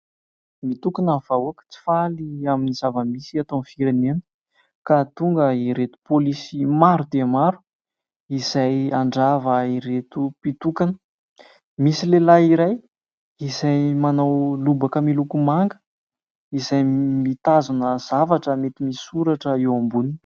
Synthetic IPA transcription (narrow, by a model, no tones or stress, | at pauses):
mit̪ukinav̥auakʲi̥t͡si̥faliaminiz̥avəmisiat̪onfiɾenenə̥ | kat̪uŋɡəiɾet̪u̥polisimaɾud̪emaɾu̥ | iz̥ajaɳɖ͡ʐavəiɾet̪upit̪ukanə̥ | misilelaiɾaj | izajmanawlubakəmilukumaŋɡə̥ | izajmit̪azunəz̥avaʈ͡ʂəmet̪imisuɾaʈ͡ʂəewambuni